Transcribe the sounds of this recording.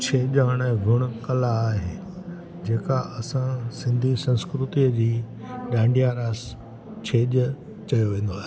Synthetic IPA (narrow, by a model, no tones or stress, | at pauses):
t͡ɕʰeːʄaːɽ̃ɛ̃ːɡʱʊɽ̃ʊkɐlaːɦeː | d͡ʑeːkaʔɐsãsɪ̃nd̪ʱisɐ̃nskɾʊt̪iəd͡ʑiː | ɗãːɳɖʱijaɾaːs | t͡ɕʰeːʄ | t͡ɕɐjoʋẽːn̆d̪oaːɦe